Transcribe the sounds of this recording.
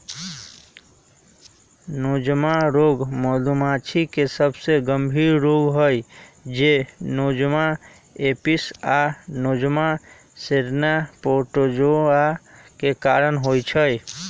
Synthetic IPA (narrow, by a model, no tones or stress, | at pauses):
nod͡ʒmaɾoɡmɔlumat͡ʃʰikesəbʱseɡəmbʱiːɾːoɡɦəjd͡ʒenod͡ʒma | episanod͡ʒma | seɾnapoʈod͡ʒoakekaɾənɦojt͡ʃʰəj